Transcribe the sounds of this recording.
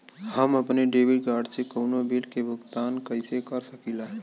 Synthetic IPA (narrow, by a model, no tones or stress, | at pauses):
hɐmɐpneɖeːʋɪɖɡaːɖsekoːnobilkebʱʊɡt̪aːnkɐɪsekɐɾsɐkilaɦɛː